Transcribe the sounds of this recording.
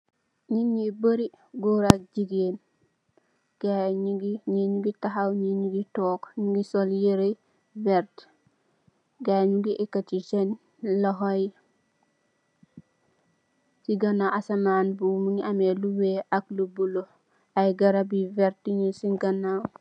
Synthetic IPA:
ɲiɲibəɾi | ɡuɾak̚d͡ʒiɡen | ɡ̥aɲiɡiɲiɲuɡitaɦawɲiɲuɡitoːkɲuɡisoljeɾe | veɾt | ɡaɲuɡiʔekːat͡ʃit͡ʃen | loɦoj | siɡanaʔasamaːnbumuŋiameluweʔaklubulo | ajɡɐɾabiveɾtiɲisiŋɡanaw

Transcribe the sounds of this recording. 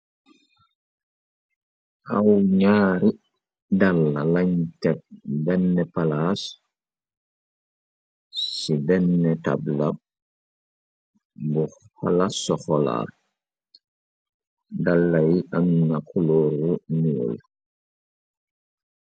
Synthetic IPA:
ʔawɲaːɾi | dalːalaɲtɛk̚bɛnːɛpalas | sibɛnːɛta̰blab̚ | bu | halasɔxɔla̰ | dalːajiʔannakʰuloːɾumio̰l

